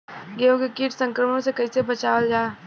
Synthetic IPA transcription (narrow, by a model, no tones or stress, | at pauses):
ɡeõkekiːʈsə̃ŋkɾəmə̃õsekɐisebɐt͡ʃaːwəld͡ʒaː